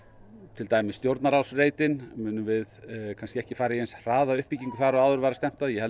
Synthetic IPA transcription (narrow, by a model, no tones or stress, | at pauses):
t̪ʰɪlt̪aːjmɪst̪jowɾt̪naɾawsreːjt̪ɪnmʏːnʏmvɪðkʰanscɪɛhcɪfaːɾaiejnsr̥aːðaʏhpiciŋkʏθaɾɔɣaːðʏɾvaːɾast̪ɛm̥t̪aðjɛhɛ